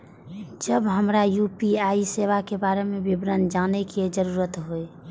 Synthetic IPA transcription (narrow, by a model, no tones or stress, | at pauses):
d͡ʒəbɦəmɾajupiaiseʋakebaɾemebibɾənd͡ʒanɛked͡ʒəɾuɾət̪ɦoe